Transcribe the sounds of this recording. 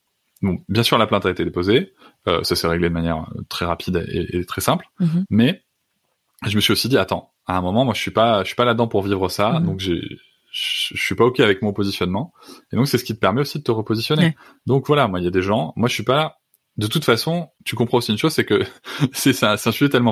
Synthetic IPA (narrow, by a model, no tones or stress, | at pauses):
bɔ̃bjɛ̃syʁlaplɛ̃t̪aet̪ed̪epoze | ø̰sasɛʁeɡled̪əmanjɛʁø̰t̪χɛʁapʰid̪ḛḛet̪χɛsɛ̃plmɛ | ʒəməsɥiosid̪iat̪ɑ̃ | aɛ̃mɔmɑ̃mwaʒə̥sɥipaəsɥi̥paladd̪ɑ̃puʁvivʁəsad̪ɔ̃kʒḛ | ʒəsɥipaɔkʲɛavɛkmɔ̃pozisjɔnmɑ̃ | ed̪ɔ̃ksɛsə̥kʲit̪əpɛʁmɛosid̪ət̪əʁəpozisjɔne | d̪ɔ̃kvwalamwailjad̪eʒɑ̃mwaʒəsɥipaa | d̪ət̪ut̪fasɔ̃t̪ykɔ̃pχɑ̃osiynʃozsɛkəsɛsɛ̃sɛt̪ɛ̃syet̪ɛlmɑ̃